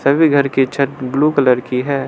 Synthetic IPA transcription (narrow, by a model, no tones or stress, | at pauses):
sɐbʱiɡʱɐɾket͡ʃʰɐt̪̚bluːkɐləɾkiɦɛː